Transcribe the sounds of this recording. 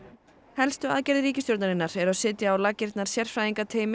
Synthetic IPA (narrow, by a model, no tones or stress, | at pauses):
hɛlst̪ʏa̰ðcɛɾðɪɾiːcɪst̪jowɾt̪naɾɪnːaɾɛɾaðsɪːt̪jaːwlacɪɾ̥t̪naɾ̥sjɛr̥fɾajiŋkat̪ʰeːjm